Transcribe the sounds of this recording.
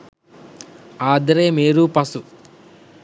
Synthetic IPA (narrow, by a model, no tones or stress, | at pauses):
aːd̪ɐɾeːmeːɾupɐsu